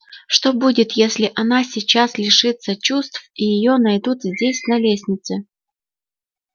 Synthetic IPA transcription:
ʂt̪obudʲɪt̪jesʲlʲɪʔɐnasʲɪt͡ɕaslʲɪʂɨt̪sət͡ɕust̪fijɪjonɐjd̪ut̪zʲdʲesʲnɐlʲesʲnʲɪt̪sɨ

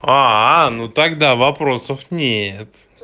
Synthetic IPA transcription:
anut̪ak̚d̪avapɾosofnʲet̪

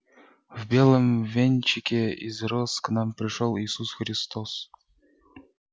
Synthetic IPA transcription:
vbʲelˠəmvʲenʲt͡ɕɪkʲeḭzɾɔsknɑmpɾʲɪʂolˠiːsusxɾʲɪst̪os

